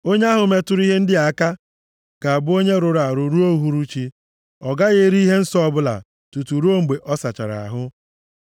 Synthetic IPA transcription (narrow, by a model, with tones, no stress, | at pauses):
o˦ɲe˦a˦ɦʊ˨me˦tʊ˦ɾi˦ɦe˦n̩˦dɪ˦a˨˦ka˦ | ɡ̥a˨a˨bʊ˦o˦ɲe˦ɾʊ˨ɾa˨ɾʊ˨ɾu˦o˦ɦu˨ɾu˦t͡ʃi˦ | ɔ˨ɡa˦ɣe˦ɾi˦i˦ɦe˦n̩˦sɔ˦ɔ˦bʊ˦la̰˨ | tu˨tu˨ɾu˦o˦m̩˨ɡ͡be˨ʔɔ˦sa˨t͡ʃa̰˨ɾa̰˨a̰˨ɦʊ˦